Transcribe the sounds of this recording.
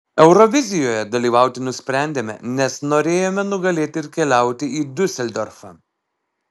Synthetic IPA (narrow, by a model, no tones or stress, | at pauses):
ɛʊɾɔʋʲɪzʲɪjoːjɛd̪ɐlʲiːʋɑˑʊt̪ʲɪnʊsʲpʲɾʲæˑnʲd̪ʲeːmʲɛ̰nʲɛsnoːɾʲeːjoːmʲɛnʊɡɐlʲeːt̪ʲɪɪɾkʲɛlʲæˑʊt̪ʲɪiːd̪ʲʊsʲɛlʲd̪ʲoːɾfɑ̰ː